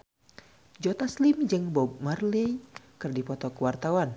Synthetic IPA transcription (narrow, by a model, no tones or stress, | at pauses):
d͡ʒɔt̪aslɪmd͡ʒɨŋbɔɡ̚marlɛjkɨrdipɔt̪ɔkəwart̪awan